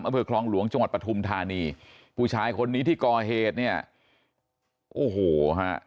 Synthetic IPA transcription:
mʔa˧mpʰɤː˧kʰlɔː˧ŋlu˨˩˦əŋt͡ɕa˧ŋwa˨˩t̪̚pɾa˧t̪ʰu˧mt̪ʰaː˧niː˧ | pʰuː˧t͡ɕʰaː˧jkʰo˧nːiː˦˥t̪ʰiː˥˩kɔː˨˩ɦeː˨˩t̪̚ni˥˩ɐə | ʔoː˨˩hoː˨˩ɦa˦˥ʔ

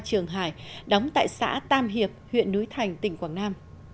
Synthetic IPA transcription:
t͡ɕɨ˨˩əŋɦaː˧˩jɗɔ˨˦wŋ͡mt̪a̰ː˧˨jsa̰ː˧˥t̪aː˧mɦi˨˩əp̚hwḭ˧˨ənːu˨˦jt̪ʰa˨˩jŋ̟t̪ï˨˩ŋ̟kwaː˧˩ŋnaː˧m

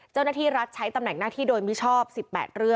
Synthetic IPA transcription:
t͡ɕa˥˩wnaː˥˩t̪iː˥˩ɾa˦˥t̪̚t͡ɕʰa˦˥jt̪a˧mnɛ˨˩ŋnaː˥˩t̪ʰiː˥˩doː˧jmi˦˥t͡ɕʰɔː˥˩p̚si˨˩pːɛ̰ː˨˩t̪̚ɾɯ˥˩əŋ

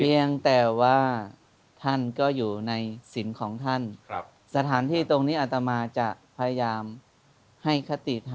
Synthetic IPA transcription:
pʰi˧əŋt̪ɛː˨˩waː˥˩ | t̪ʰa˥˩nkɔː˥˩juː˨˩na˧jsi˩˦nkʰɔː˩˦ŋt̪ʰa˥˩n | sa˧t̪ʰaː˩˦nt̪ʰiː˥˩t̪o˧ŋniː˦˥˩ʔa˨˩t̪a˧maː˧t͡ɕa˨˩pʰa˧ja˧jaː˧m | ha˥˩jkʰa˦˧˥t̪i˨˩t̪ʰa˧

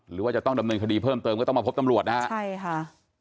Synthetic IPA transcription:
ɾɯː˩˦waː˥˩t͡ɕa˨˩t̪ɔ˥˩ŋda˧mnɤː˧nkʰa˧diː˧pʰɤː˥˩mt̪ɤː˧mkɔː˥˩t̪ɔ˥˩ma˧pʰp̚t̪a˧mɾu˨˩ət̪na˦˥t͡ɕʰa˥˩jkʰa˥˩

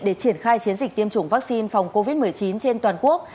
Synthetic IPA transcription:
ɗe˧˩t͡ɕi˧˩ənxaː˧jt͡ɕi˨˦ənzi˨˩k̚t̪i˧əmt͡ɕʊ˧˩ŋ͡mvaː˦˥k̚si˧nfa˨˩wŋ͡mko˧vi˦˥t̚mɨ˨˩əjt͡ɕi˨˦nt͡ɕe˧nt̪waː˨˩nku˦˥ək̚

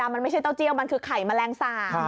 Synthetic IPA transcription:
aː˧mːa˧nma˥˩jt͡ɕʰa˥˩jt̪ɔ˥˩t͡ɕi˧˥əwma˧nkʰɯː˧kʰa˨˩˦jmaː˧lɛː˧ŋsaː˧˩

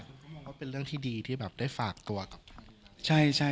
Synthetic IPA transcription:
kʰo˧nkɔː˥˩mɔː˧ŋwaː˥˩pe˧nlɾɯ˥˩əŋt̪ʰiː˥˩diː˧t̪ʰiː˥˩bɛː˨˩p̚daː˥˩jfaː˨˩k̚t̪u˧ɐka˨˩p̚ʰa˧t͡ɕʰa˥˩jt͡ɕʰa˥˩

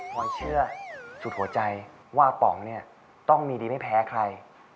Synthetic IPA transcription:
kʰɔː˧jt͡ɕʰɯ˥˩ɐsu˨˩t̪̚hu˩˦ɐt͡ɕa˧j | waː˥˩pɔ̰˩˦ŋni˥˩ɐ | t̪ɔ˥˩ŋmiː˧diː˧ma˥˩jpʰɛː˨˦˥kʰɾa˧j

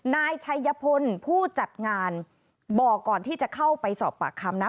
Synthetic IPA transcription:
naː˧jt͡ɕʰa˧jːa˧pʰo˧npʰuː˥˩t͡ɕa˨˩t̪̚ŋaː˧n | bɔː˨˩kːɔː˨˩nt̪ʰiː˥˩t͡ɕa˨˩kʰa˥˩wpa˧jsɔː˨˩p̚ːa̰ː˨˩kʰːa˧mna˦˥

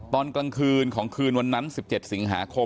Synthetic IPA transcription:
t̪ɔː˧nkla˧ŋkʰɯː˧nkʰɔː˩˦ŋkʰɯː˧nwa˧nːa˦˥nsi˨˩p̚t͡ɕe˨˩t̪̚si˩˦ŋɦaː˩˦kʰo˧

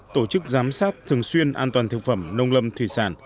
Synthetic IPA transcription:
t̪o˧˩t͡ɕɨ˦˥k̚zaː˨˦msaː˦˥t̚t̪ʰɨ˨˩əŋswi˧ənʔaː˧nt̪waː˨˩nt̪ʰɨ˨˩k̚fə˧˩mnə˧wŋ͡mlə˧mt̪ʰwi˧˩saː˧˩n

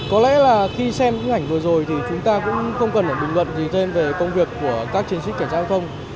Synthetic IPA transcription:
kɔ˨˦lɛ̰˧˥laː˨˩xi˧sɛ˧mɲɨ̰˧˥ŋʔa˧˩jŋ̟vɨ˨˩əzo˨˩jt̪ʰi˨˩t͡ɕʊ˨˦ŋ͡mt̪aː˧kʊ̰˧˥ŋ͡mxə˧wŋ͡mkə˨˩nʔəː˧˩ɗʊ˨˩ŋlwə̰˧˨nzi˨˩t̪ʰe˧nve˨˩kə˧wŋ͡mvi˨˩əkːu˧˩əkaː˦˥k̚t͡ɕi˨˦ənsï˦˥k̚ka˧˩t͡ɕaː˦˥˦t̪ʰə˧wŋ͡m

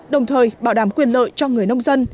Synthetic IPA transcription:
ɗə˨˩wŋ͡mt̪ʰəː˨˩jɓaː˧˩wɗaː˨˩˦mkwi˨˩ənlə̰ː˧˨jt͡ɕɔ˧ŋɨ˨˩əjnə˧wŋ͡mzə˧n

